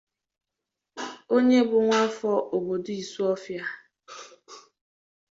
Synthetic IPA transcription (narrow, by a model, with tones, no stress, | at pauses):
o˦ɲe˦bʊ˨ŋʷa˦fɔ˦ʔo˨bo˨do˦i˨su˦ɔ˦fja˦